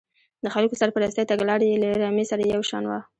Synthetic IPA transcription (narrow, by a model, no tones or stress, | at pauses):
d̪əxalkosaɾpəɾɑst̪ajt̪aɡlɑɽelaeɾɑmesaɾajawʃɑ̰nwa̰